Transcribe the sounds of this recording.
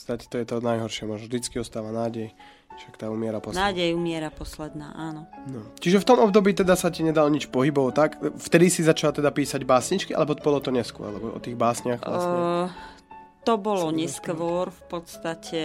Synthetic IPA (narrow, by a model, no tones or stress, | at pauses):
t͡st̪acɛ̥t̪ɔjɛt̪ɔnajɦɔɾʃɪɛmʊɔːʒnɔvʒd̪it͡skiɔst̪aːʋanaːɟɛj | ʃakt̪aːuːmɪɛɾapɔnnaːɟɛjumɪɛɾapɔslɛd̪na̰ːʔaːnɔnɔt͡ʃiʒɛft̪ɔmɔb̚d̪ɔbiːt̪ɛd̪asaciɲɛd̪alɲit͡ʃpɔɦibɔʋɔt̪akft̪ɛd̪isizat͡ʃalt̪ɛd̪apiːsaɟbaːsɲit͡ʃkiʔa̰lɛbɔbɔlɔt̪ɔɲɛskʊɔ̰ɾlɛbɔʔɔ̰t̪iːɣbaːsɲɪaxa | t̪ɔbɔlɔɲɛskʋɔɾfpɔt̪st̪acʰɛ